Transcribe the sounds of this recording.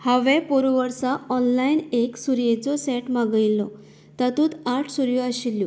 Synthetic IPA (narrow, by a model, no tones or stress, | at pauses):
haʋɛpoɾuʋəɾsaɔnlaineksuɾjet͡sɔsɛʈmaɡəilːɔ | t̪at̪uːt̪aʈʰsuɾjɔəɕilːju